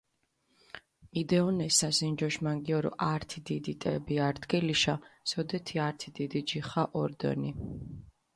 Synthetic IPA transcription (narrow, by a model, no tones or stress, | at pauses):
id̪ɛɔnɛsasind͡ʒɔʃmaŋɡiɔɾɔ̰ʔaɾt̪ʰid̪id̪it̪ʼɛbiaɾd̪ɡɛliʃasɔd̪ɛt̪ʰiaɾt̪ʰid̪id̪id͡ʒiχaʔɔɾd̪ɔ̰ni